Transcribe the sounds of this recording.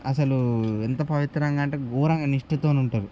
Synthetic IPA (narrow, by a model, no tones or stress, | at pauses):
ɐsɐluent̪ɐpɐʋit̪ɾɐŋɡaːɳʈeːɡuːɾɐŋɡɐniʂʈɐt̪oːnuɳʈaːɾu